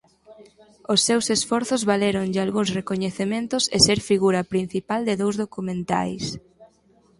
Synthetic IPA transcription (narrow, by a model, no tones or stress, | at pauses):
osːewsesfɔɾθʊzβaleɾoŋʎalɣuŋsrekoɲeθemẽnt̪ʊseseɾfiɣuɾɐpɾin̟θipald̪ɪðowzðokumẽnt̪a̰js